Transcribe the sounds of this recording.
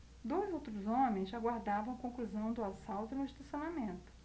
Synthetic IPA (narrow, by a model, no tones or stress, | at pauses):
d̪ojzowt̪ɾʊzõmẽj̃zaɡwaɾd̪avɐ̃w̃kõkluzɐ̃w̃d̪ʊasawt̪ʊnʊĩʃt̪usionamẽnt̪ʊ̥